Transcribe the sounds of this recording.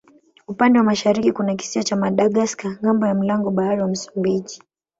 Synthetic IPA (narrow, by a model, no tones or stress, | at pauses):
upandɛwamaʃaɾikikunak̬i̥siɔt͡ʃamaɗaɠaskaŋambɔjam̩laŋɡɔɓahaɾiwam̩su̥mbiʄi